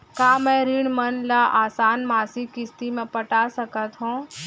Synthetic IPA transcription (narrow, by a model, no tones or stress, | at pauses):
kaːmɛ̃ɾiɳmənlaʔaːsaːnmaːsikɪst̪imẽpəʈasəkət̪ɦũ